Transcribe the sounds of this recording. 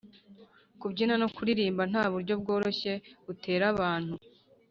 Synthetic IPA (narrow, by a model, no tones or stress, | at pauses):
kubɟinano̞kuɾiɾiːmban̥haːβuɾɟo̞bɡo̞ːɾo̞çe̞utʰe̞ːɾaβaːn̥hu